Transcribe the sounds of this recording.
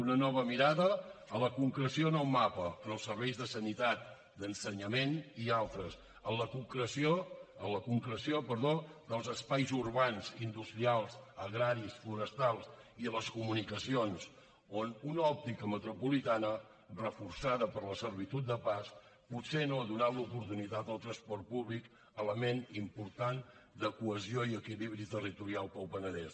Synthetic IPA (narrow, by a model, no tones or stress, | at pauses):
unənɔβ̞əmiɾaðəːləkuŋkɾəsioənəlˠmapəənəlˠsəɾβɛjzðəsənit̪at̪̚ | d̪ənsəɲəmenialˠt̪ɾəs | ənləkuŋkɾəsioələkuŋkɾəsiopəɾðod̪əlˠzəspajzurβanzind̪ust̪ɾialˠzəɣɾaɾisfluɾəst̪alˠs | iðələskumunikəsions | onunɔp̚t̪ikəmət̪ɾupulit̪anə | rəfuɾsaðəpəɾləsəɾβ̞it̪ut̪̚d̪əpas | put̪senoəðunat̪lupuɾt̪unit̪at̪əlˠt̪ɾəspɔɾrt̪̚puβlik | ələmenimpuɾt̪an | d̪əkuəzioiəkiliβɾit̪ərit̪uɾialˠpəwpənəðɛs